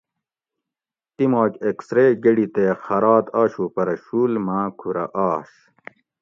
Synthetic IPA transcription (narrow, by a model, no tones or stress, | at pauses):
t̪imoːkʲeksɾeːɡeɽit̪eːxɐɾaːt̪aːɕupɐɾɐɕuːlmaːkʰuɾɐ̰ʔaːɕ